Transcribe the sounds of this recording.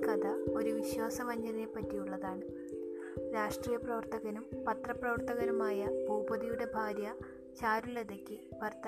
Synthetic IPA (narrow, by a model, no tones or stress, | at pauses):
kɐd̪ʱɐo̞ɾuʋiɕwaːsɐʋɐɲːɐðiepːɐtːijuɭːɐðaːɳɨ | ɾaːʂʈriːjɐprɐʋɐrt̪ɐɣɐnumpɐt̪rɐprɐʋɐrt̪ɐɣɐɾumaːjɐbʱoːbɐðijuɽe̞bʱaːɾjɐ | t͡ɕaːɾuleðɐkʲːɨʋɐrt̪ɐ